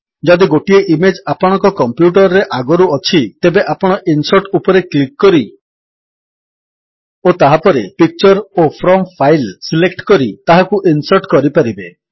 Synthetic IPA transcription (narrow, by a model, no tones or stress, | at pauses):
d͡ʒɔd̪iɡoʈieʔimed͡ʒapɔɽ̃ɔ̃ŋkɔkɔmpjuʈɔɾɔɾeʔaɡɔɾuɔt͡ʃʰit̪ebeʔapɔɽ̃ɔʔinsɔɾʈupɔɾeklikːɔɾi | ot̪aɦapɔɾepik̚t͡ʃɔɾopʰɾɔmpʰajlsilekʈkɔɾit̪aɦakuʔinsɔɾʈkɔɾipaɾibe